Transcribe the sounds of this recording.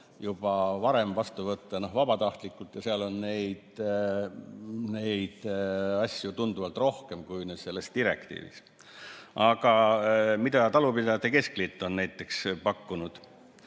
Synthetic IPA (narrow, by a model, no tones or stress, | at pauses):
jub̥ɑvɑɾe̞mvɑst̪uvɤt̪ːɑno̞hvɑbɑt̪ɑht̪likːˑult̪jɑseɑlo̞nne̞jd̪̥ | ne̞jd̪̥ɑsʲjut̪und̪uvɑlt̪ˑro̞hke̞mkujnese̞lːe̞st̪iɾe̞̰kt̪ḭːvḭs | ʔɑɡ̥ɑmid̪̥ɑt̪ɑlupilɑt̪ekesklit̪ːˑo̞nnæjt̪ːˑe̞kspɑkːunud̪̥